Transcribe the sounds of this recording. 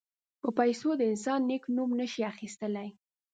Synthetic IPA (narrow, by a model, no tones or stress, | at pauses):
pəpajsod̪əɪnsɑnːeknumnəʃiaxist̪əlaj